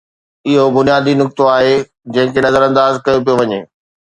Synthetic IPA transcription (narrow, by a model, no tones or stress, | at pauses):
ɪɦobʊnijaːd̪inʊk̚t̪oaːɦe | d͡ʑɐ̃ɦɪ̃kenɐzəɾɐ̃nd̪aːzkɐjop̬ijoʋɐɲeː